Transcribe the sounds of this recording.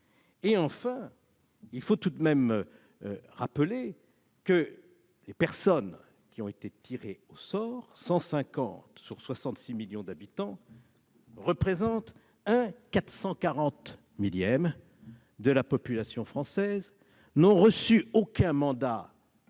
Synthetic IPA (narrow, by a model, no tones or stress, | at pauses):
eɑ̃fɛ̃ | ilfot̪ud̪mɛm | ʁaple | kə | lepɛʁsɔn | kʲiɔ̃et̪et̪ʰiʁeosɔʁsɑ̃sɛ̃kɑ̰̃t̪syʁswasɑ̃t̪similjɔ̃d̪abit̪ɑ̃ | ʁəpχezɑ̃t̪ | ɛ̃kat̪χsɑ̃kaʁɑ̃t̪ | miljɛm | d̪əlapɔpylasjɔ̃fχɑ̃sɛz | nɔ̃ʁəsyokɛ̃mɑ̃d̪a